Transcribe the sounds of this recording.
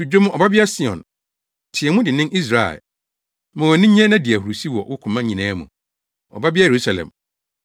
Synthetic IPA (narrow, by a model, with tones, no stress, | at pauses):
u˨d͡ʑᶣo˦m̃˦ɔ˨ba˦bɪ˦a˦si˦ɔ̰̃˨n | tʰɪ˨ɛ˨mʊ̃˦dɪ˨nɪ̃˦nʔi˦s̬ɾa̰˨ | mʊ̃˨wɛ˨nɪ̃˦ɲɛ̃˦nã˦di˨æ˨hu˨ɾu˨si˦wɔ̰˨wʊ˦kʰʊ̃˨mã˦ɲĩ˨nãː˦mṵ̃˨ | ɔ̰˨ba˦bɪ˦a˦je˨ɾu˦sa˨lɛ̰̃˨m